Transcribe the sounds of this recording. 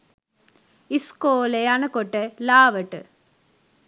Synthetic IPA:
iskoːlejanɨkoʈːɨlaːʋɐʈːɨ

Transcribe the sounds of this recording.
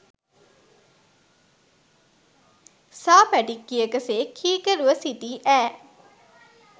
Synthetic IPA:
saːpæʈikːiəkəseːkʰiːkəɾuʋəsit̪iːʔæː

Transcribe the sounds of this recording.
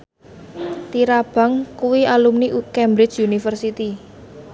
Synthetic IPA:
t̪iɾab̥a̤ŋkuwialumnikɛmbɾɪ̥t͡ʃunifərsit̪i

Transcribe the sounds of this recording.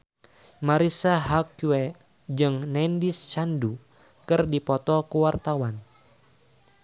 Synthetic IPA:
maɾisaɦakwe | d͡ʒɨŋnɛndist͡ʃandu | kɨrdipɔt̪ɔkəwart̪awan

